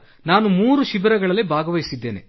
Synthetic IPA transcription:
naːnumuːɾuʃibɐɾɐɡɐɭɐlːebʱaːɡɐʋɐjisid̪ːe̞ːne̞̰

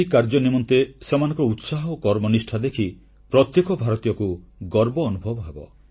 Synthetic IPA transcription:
ikaɾd͡ʒɔnimɔnt̪esemanɔ̃ŋkɔɾɔut̪saɦɔokɔɾmɔnisʈʰad̪ekʰi | pɾɔt̪jekɔbʱaɾɔt̪ijɔkuɡɔɾbɔːnubʱɔbɔɦebɔ̰

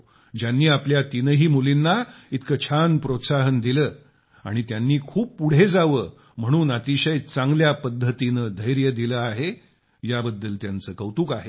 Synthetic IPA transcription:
d͡ʑjanːiːapljat̪inəɦiːmulinːait̪ʰkət͡ɕʰanpɾot̪saɦənd̪iləː | a̰ɽ̃it̪janːiːkʰuːpːuɽ̤ed͡zaʋəː | m̤əɽ̃uːnat̪iɕəjt͡sãŋɡljapəd̪ʱːət̪inəd̪ʱəjɾjəd̪iləaɦe | jabəd̪ːəlt̪jant͡səːkəwt̪uːkaɦe

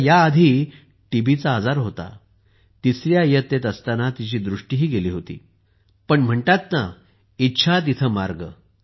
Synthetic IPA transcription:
jaːd̪ʱiː | ʈibit͡saːd͡zaɾɦot̪a̰ | t̪isɾjajət̪ːet̪əst̪anat̪it͡ɕiːd̪ɾuʂʈiːɦiːɡeliːɦot̪ḭː | pəɳm̤əɳt̪at̪̚na | it̪ːɕʰat̪̬it̪ʰəmaɾɡə

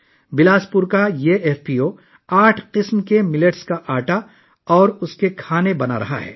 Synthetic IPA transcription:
bɪlaːspʊɾkajeːʔeːfpioː | aːʈʰqɪsmkemɪləʈskaʔaːʈa | ɔːɾʊskekʰaːnebɐna̰ɾɐ̰ɦa̰ɦɛ̰ː

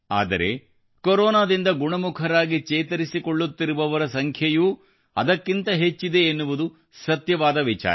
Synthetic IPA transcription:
a̰ːd̪ɐ̰ɾe̞̰ | koɾɔːnaːd̪ind̪ɐɡuɳɐmukʰɐɾaːɡit͡ʃɛːt̪ɐɾisikoɭːut̪ːiɾuʋɐʋɐɾɐsɐŋkʰjɐju | ɐ̰d̪ɐkːint̪ɐɦe̞t͡ʃːid̪e̞ːnːuʋud̪u | sɐt̪jɐʋaːd̪ɐʋit͡ʃa̰ː

